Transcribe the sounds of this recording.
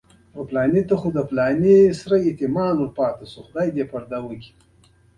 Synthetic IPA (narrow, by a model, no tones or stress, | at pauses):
oplɑːnet̪axud̪aplɑnesɾaet̪ɪmɑːnwəlpɑːt̪asuxʊd̪ajd̪epaɾd̪awəkʲi̥